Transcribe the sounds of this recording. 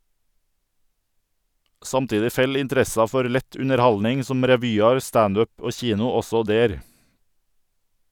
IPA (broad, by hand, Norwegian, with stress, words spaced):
ˈsɑmˌtiːdɪ ˈfɛl ɪnˈtɾɛsɑ ˈfɔɾ ˈlɛt ʉnəɾˈhɑlnɪŋ ˈsɔm ɾɛˈʋyːɑɾ ˈstɑnd ˈœp ˈoː ˈçiːnʊ ˈɔsɔ ˈdeːɾ